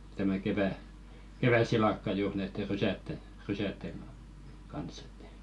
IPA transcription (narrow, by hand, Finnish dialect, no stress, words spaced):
tæmæ keʋæ keʋæsilɑkːɑ juːr næitːe rysætːen̞ rysætːeŋ ɡ̊ɑ kɑns e̥tːæ̥